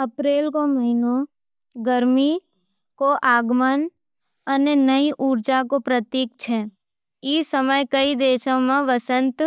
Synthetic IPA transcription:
ɐpɾeːlkoməɦɪnõ | ɡəɾmi | koʔaːɡmən | ənenəiʔuːɾd͡ʒakopɾət̪iːk̚t͡ʃʰɛː | iːsəməjkəid̪eːʃõmẽʋəsə̃nt̪

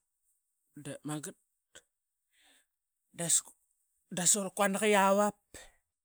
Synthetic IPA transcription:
damaɡət̚ | das | dasoɾkwanakijawap̚

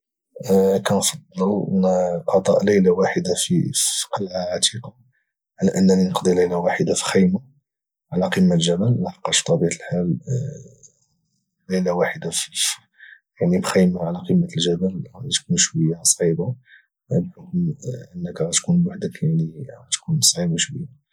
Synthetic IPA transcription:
kænfɑd̪ˤːələ̰nqɑt̪ˤɑ̰ʔləjlawaħəd̪afiqɑlʕaʕat̪iqɑ | ʕalæʔənːæninəqd̪ˤiləjlawaħəd̪afi̥xəjma | ʕalæqimːaʒæbælmæħɑqːɑʃt̪ˤɑbiʕt̪əlħal | ləjlawaħəd̪afi | jaʕnibxəjmaʕalæqimːəəlʒæbəlɑt̪kunʃwəjːasˤʕiba | bħokmʔənːəkɣɑt̪kunwaħd̪əkjaʕniɣɑt̪kunsˤʕibaʃwəjːa

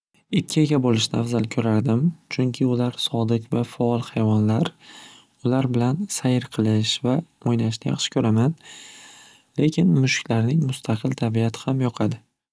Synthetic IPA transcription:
ɪkʲʰːɪeɡʲabolɪʃnɪafzalkʲʰɵɾaɾd̪ɪmt͡ʃʰʊŋkʲʰɪʊlaɾsɒd̪ɪqvafaɒlˠhajvɒnlaɾ | ʊlaɾbɪlansajɪɾqʰɨlˠɪʃva | ojnaɪʃnɪjɑ̰χʃɪ̥kʰɵɾaman | le̞kʲʰɪnmʊʃkʲʰlaɾnɪŋmʊst̪ʰaqʰɨlˠt̪ʰabiat̪ʰɪ̥hamjɒqʰɑd̪ɪ

